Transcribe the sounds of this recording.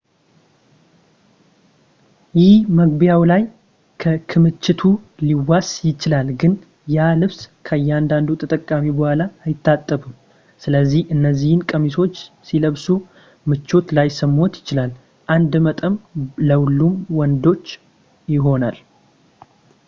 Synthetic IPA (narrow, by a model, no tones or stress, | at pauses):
jɪhməɡbjawlaj | kʰəkʰɨmɨt͡ʃːɪt̪ʰuliwasjɪt͡ʃɪlalɡɨn | jalɨβskʰəjːɛand̪and̪ut̪ʰət̪ʼəkʼːamibəhʷalaːjɪt̪ʰːat̪ʼːəbum | sɨləzːihʔɨnːəzːihɨnkʼəmiso̞t͡ʃː | siləβsu | mɨt͡ʃːo̞t̪lajsəmːo̞t̪jɪt͡ʃɪlal | ʔand̪mət̪ʼəmləwlːumwɔnd̪o̞t͡ʃː | jɪɦo̞nal